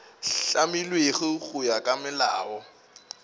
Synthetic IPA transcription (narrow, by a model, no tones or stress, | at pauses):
ɬamilweχɪɣʊjakʼamɪla̰ːwɔ